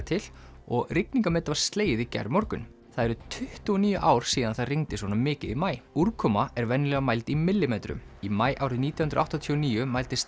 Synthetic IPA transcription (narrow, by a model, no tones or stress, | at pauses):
t̪ʰɪl | ɔɣrɪkniŋkamɛːt̪avaɾ̥st̪leːjɪðicɛ̰ɾmɔɾkʏ̰n | θaðɛɾʏt̪ʰʏht̪uɔniːjʏʔaːwɾ̥siːðanθaðriŋt̪ɪsɔnamɪːcɪðimaːjuɾkʰɔmaɛɾvɛnːɪlɛɣamajlt̪imɪlːɪmeːt̪ɾʏ̰m | imaːjʔa̰ːwɾʏniːt̪jahʏnɾawht̪ɔt̪ʰiɔniːjʏmaːjlt̪ɪst̪